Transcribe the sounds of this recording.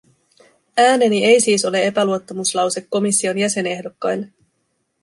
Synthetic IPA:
æːne̞nie̞jsiːso̞le̞e̞pæluo̞t̪ːomuslɑwse̞kːo̞misːio̞njæse̞ne̞hdo̞kːɑjlːe

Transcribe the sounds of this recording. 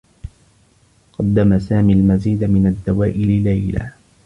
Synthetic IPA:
qɑd̪ːamasaːmiːlmaziːd̪amɪnad̪ːawaːʔɪlɪlajla̰ː

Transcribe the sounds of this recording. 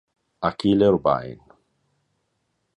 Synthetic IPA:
akileɾba̰ḭn

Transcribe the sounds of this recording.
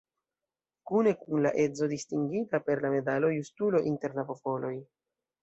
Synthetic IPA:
kune̞kunlaʔe̞zo̞distiŋɡitape̞ɾlame̞dalo̞justulo̞ʔinte̞ɾlapo̞po̞lo̞j

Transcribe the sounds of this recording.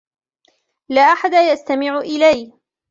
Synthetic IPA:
laːʔaħad̪ajast̪amɪʕʊʔɪlaj

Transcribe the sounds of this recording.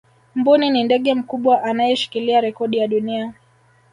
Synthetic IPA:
m̩buninindɛɠɛm̩kuɓwaʔanajɛʃi̥kiliaɾɛkɔɗijaɗunia

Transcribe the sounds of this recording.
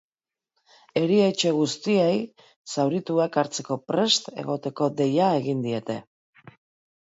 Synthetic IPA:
e̞ɾiet͡ʃe̞ɣ̞ust̪ie̞j | sawɾit̪uekaɾt͡se̞ko̞pɾe̞st̪e̞̰ɣo̞t̪e̞ko̞d̪e̞jae̞ɣind̪ie̞t̪e̞

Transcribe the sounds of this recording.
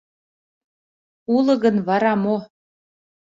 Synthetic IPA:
ulɤ̆ɣə̆nβɑɾɑmo

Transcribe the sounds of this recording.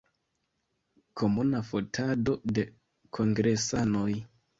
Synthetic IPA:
kʰo̞munafo̞tʰado̞de̞ | kʰo̞ŋɡɾe̞sano̞j

